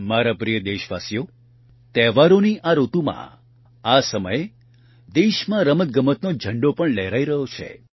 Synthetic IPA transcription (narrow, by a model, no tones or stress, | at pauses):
maɾapɾijəd̪eʃʋasjo | t̪ɛʋaɾoniʔaɾot̪umã̰ | asəməje | d̪eʃmãɾəmət̪̚ɡəmət̪nod͡ʒʱəɳɖopəɳleɾaiɾəɦot͡ʃʰḛ